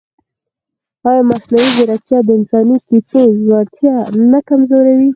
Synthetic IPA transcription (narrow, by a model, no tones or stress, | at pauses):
ɑjɑmasnawiɡeɾak̚t̪jɑd̪əɪnsɑnik̪itozwɑnt̪jɑnakamzoɾawi